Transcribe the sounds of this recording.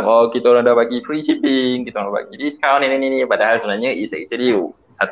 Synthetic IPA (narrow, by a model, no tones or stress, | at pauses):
ŋɔkit̪aoɾaŋdɔbaɡifɾiʃipiŋkit̪aoɾãdaba̰ɡidiskawninininĩpadaɦalsəbənaɲaisɛ̰k̚t͡ʃəli | sat̪